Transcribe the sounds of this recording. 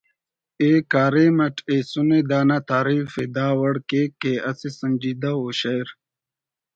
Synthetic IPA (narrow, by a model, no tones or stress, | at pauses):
eːkaːɾemɐʈeːsuned̪aːnat̪aːɾiːfed̪aːwɐɽkekeɐsesɐnd͡ʒid̪aoːɕɐjɾ